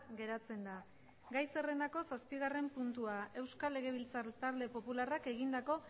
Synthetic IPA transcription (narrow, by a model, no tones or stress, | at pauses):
ɡe̞ɾat͡se̞nd̪a | ɡajse̞re̞nd̪ako̞saspiɣ̞are̞mpunt̪uaʔe̞wskale̞ɣ̞e̞β̞ilt͡saɾt̪aɾle̞po̞pularake̞ɣind̪ako̞